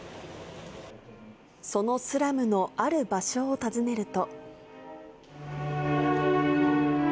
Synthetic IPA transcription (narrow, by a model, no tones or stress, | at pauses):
so̞no̞sɨɾamɯ̟no̞aɾɯ̟baɕo̞ːt̪azɨne̞ɾɯ̟t̪o̞